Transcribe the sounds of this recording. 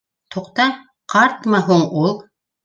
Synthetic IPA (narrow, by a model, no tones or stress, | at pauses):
t̪ʰoqt̪ɑ | qʰɑɾt̪mɑɦuɴulˠ